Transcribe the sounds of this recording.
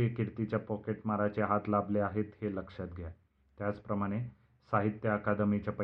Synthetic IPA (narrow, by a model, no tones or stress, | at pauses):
ikiɽt̪it͡ɕjapɔkeʈmaɾat͡ɕeɦat̪lableaɦet̪heləkʂat̪ɡʱja | t̪jat͡spɾəmaɽ̃e | saɦit̪jəəkad̪mit͡ɕjapə